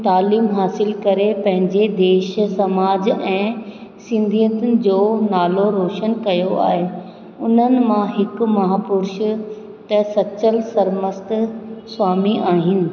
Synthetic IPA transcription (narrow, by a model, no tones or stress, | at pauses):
t̪aːliːmɦaːsɪlkɐɾepɐ̃ɦɪ̃ɲd͡ʑed̪eːʃsɐmaːd͡ʑɛ̃ː | sɪ̃nd̪ʱijət̪ʊnɪ̆d͡ʑoːnaːloɾoːʃənkɐjoa̰ːɦe | ʊn̤ənɪ̆mãɦɪkʊ̆mɐɦaːpʊɾʃ | t̪ɐsɐt͡ɕəlsɐɾməst̪̆swaːmiaːɦɪnɪ̆